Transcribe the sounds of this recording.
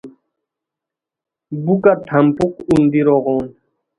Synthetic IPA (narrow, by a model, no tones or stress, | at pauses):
bukat̪ʰɐmpukund̪iɾoɣoːn